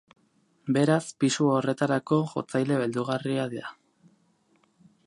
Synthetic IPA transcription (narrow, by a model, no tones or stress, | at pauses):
be̞ɾaspisuo̞re̞t̪aɾako̞ʝo̞̰t͡sajle̞βeld̪uɣ̞ariaðiɾa